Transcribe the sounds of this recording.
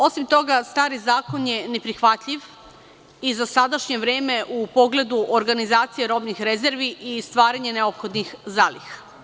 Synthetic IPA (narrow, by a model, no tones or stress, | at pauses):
o̞simt̪o̞ɡast̪aːɾizaːko̞njene̞pɾixʋat̪ʎiʋ | izasad̪aʃɲe̞ʋɾeːme̞ʔupo̞ɡle̞d̪uʔoɾɡanizaːt̪sijeɾo̞bnixɾezeɾʋiʔist̪ʋaːɾaɲeneopxo̞d̪nixzaːlḭxḁ